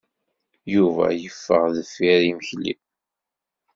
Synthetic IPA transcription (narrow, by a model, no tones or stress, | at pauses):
juvæ̰jəfːə̰ʁðəfiɾiməçlḭn